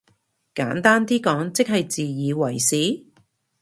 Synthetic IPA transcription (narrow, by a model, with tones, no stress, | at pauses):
kaː˨˥nt̪aː˥nt̪iː˥kɔː˨˥ŋt͡sɪ˥k̚hɐ˨jt͡siː˨jiː˨˧wɐ˨˩jsiː˨˥